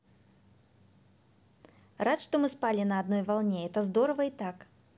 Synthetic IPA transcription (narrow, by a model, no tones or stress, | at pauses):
rat̪ʂt̪ɔmɨspalʲinɐːd̪nɔjvalˠnʲɛɛt̪ɐzd̪ɔɾɐvɐit̪ak